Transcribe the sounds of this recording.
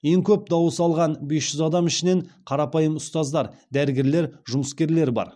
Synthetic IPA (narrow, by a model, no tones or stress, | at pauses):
je̞ŋkʲʰɵp̚d̪ɑwəsɑlˠʁɑnbe̞sʒ̥ʏzɑd̪ɑmɪʃɪne̞ɴqʰɑɾɑpɑjəmʊst̪ɑzd̪ɑɾd̪æɾɪɡʲe̞ɾle̞ɾʒʊməskʲe̞ɾle̞ɾbɑ̰ɾ